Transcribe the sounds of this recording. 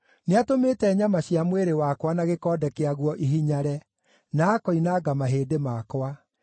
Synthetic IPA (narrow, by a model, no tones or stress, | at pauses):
neatomeːtɛɲamaɕjamweɾewakwanaɣekɔːdɛkeaɣwɔʔiɦiɲaɾɛ | naːkɔinaːɡamaɦeːdemakwa